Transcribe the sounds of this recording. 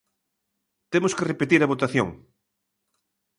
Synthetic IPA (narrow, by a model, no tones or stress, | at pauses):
t̪emʊskerepet̪iɾɐβot̪aθjo̰ŋ